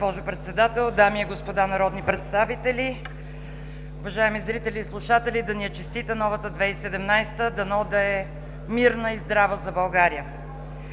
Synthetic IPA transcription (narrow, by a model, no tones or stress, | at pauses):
opɔʒʊpɾɛt̪sɛd̪at̪ɛlˠd̪amiɛɡospod̪anɐɾɔd̪nipɾɛt̪st̪avit̪ɛli | ʊvɐʒaɛmizɾit̪ɛlʲiːslˠuʃat̪ɛlʲid̪ɐnɛət͡ʃɛst̪it̪ənɔvət̪əd̪vɛsɛd̪ɛmnajst̪əd̪ɐnɔd̪ɐɛ | miɾnəizd̪ɾavəzɐbɐlˠɡaɾijə